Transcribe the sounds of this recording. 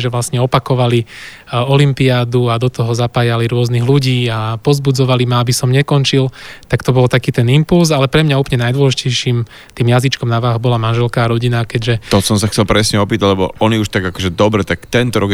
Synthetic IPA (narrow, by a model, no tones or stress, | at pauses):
ʒɛʋlasɲɛɔpakɔʋali | ɔlimpiaːd̪uad̪ɔt̪ɔɦɔzapaːjaliɾʊɔzniɣluɟiːapɔzbud͡zɔʋalimaabisɔmɲɛkɔnt͡ʃilt̪akt̪ɔbɔlt̪akiːt̪ɛnimpulzalɛpɾɛmɲauːpɲɛnajd̪wɔlɛʒicɛjʃiːm | t̪iːmjazit͡ʃkɔmnaʋaːɦbɔlamanʒɛlkaːɾɔɟinakɛɟʒɛt̪ɔsɔmsaxt͡sɛlpɾɛsɲɛɔpiːt̪aɟlɛbɔ̰ɔniuʃt̪aɡakɔʒɛd̪ɔbɾɛt̪akt̪ɛnt̪ɔɾɔɡ